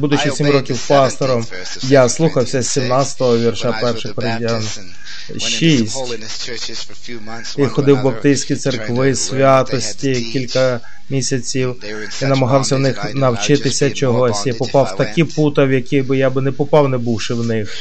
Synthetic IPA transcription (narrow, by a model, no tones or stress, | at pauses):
bud̪ʊt͡ʃisʲimrɔkʲiwpɑst̪ɔɾɔm | jaslˠuxɐwsʲɐsʲimnɑt͡sʲsʲɐ̥t̪ɔɦɔʋʲirʃapɛrʃɪxpɔɾɪdʲan | ʃisʲtʲ | ixɔd̪ɪwbɐpt̪ɪsʲkʲit̪serkʋɪsʲʋʲat̪ɔsʲtʲikʲilʲkɐ | mʲisʲɐt͡sʲiw | inɐmɐɦɑwsʲɐwnɪxnɐwt͡ʃɪt̪ɪsʲɐt͡ʃɔɦɔsʲjipɔpɑwt̪ɐkʲiput̪ɐwjɐkʲibɪjabɪnɛpɔpɑwnɛbuwʃɪwnɪx